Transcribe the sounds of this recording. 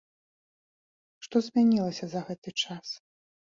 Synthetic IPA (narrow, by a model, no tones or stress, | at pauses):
ʂt̪ɔzʲmʲanʲilˠɐsʲɐzɐɣɛt̪ɨt͡ʂas